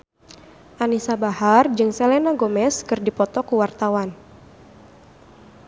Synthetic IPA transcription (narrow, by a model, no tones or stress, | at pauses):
ʔanisabahard͡ʒɨŋsɛlenaɡomɛskɨrdipɔt̪ɔkuwart̪awan